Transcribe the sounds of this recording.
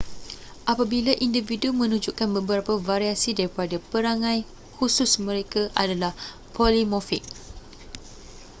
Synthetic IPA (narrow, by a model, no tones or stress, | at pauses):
ʔapabilaʔindividumə̃nũd͡ʒukanbəbəɾapavaɾiasidaɾipadapəɾaŋãj | husʊsmə̃ɾekaʔadalah | pʰolimɔfɪk̚